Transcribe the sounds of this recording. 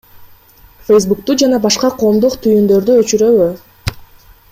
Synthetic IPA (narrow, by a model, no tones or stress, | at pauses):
fejs̬buk̚t̪ud͡ʒɑnɑbɑʃqɑqʰo̞ːmd̪uqt̪ʰyjynd̪ø̞ɾd̪yøt͡ʃyɾø̞βy